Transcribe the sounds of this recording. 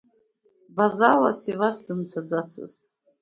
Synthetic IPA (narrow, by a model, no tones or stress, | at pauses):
bazala̰sivasdɨmt͡sʰad͡zat͡sʰɨ̰ztʼ